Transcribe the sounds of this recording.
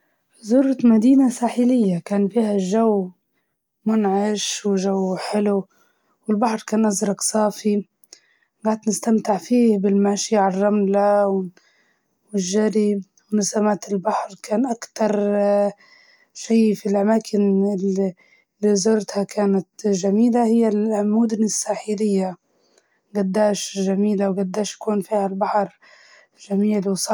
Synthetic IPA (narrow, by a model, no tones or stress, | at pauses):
zʊːɾˤt̪mad̪iːnasaːħɪlɪjːakaːnfiːhaʒawː | mʊnʕɪʃwɪʒawːħɪlu | wɪlbaħɾˤkaːnʔazɾˤɑɡsˤɑːfi | ɡaːʕd̪nɪst̪amt̪ɪʕfiːhbɪlmaʃjaʕrˤːɑmlaw | wɪʒːaɾi | wnasamaːt̪ɪlbaħɾkʰaːnʔakt̪ɑɾˤ | ʃiːfilʔamaːkʰɪn | lizʊɾt̪hakʰaːnat̪ʒamiːlahɪjːalmʊd̪ʊnɪsːaːħilɪjːa | ɡad̪ːaːʃʒamiːlawɡad̪ːaːʃḁkuːnfiːhalbaħɾˤ | ʒamiːlwsˤɑ